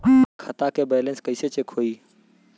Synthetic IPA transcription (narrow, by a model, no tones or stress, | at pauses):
kʰət̪akebɛjlẽnskəɪset͡ʃekʰoi